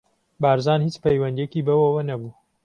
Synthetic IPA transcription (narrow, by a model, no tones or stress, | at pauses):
baːɾzaːnhiːt͡ʃpɐjwɐnd̪ijekiːbɐwɐwɐnɐbuː